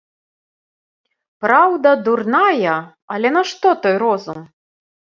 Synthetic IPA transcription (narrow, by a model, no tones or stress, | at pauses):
pɾawd̪ɐd̪urnajɐ | ɐlʲɛnɐʂt̪ɔt̪ɔjɾɔzum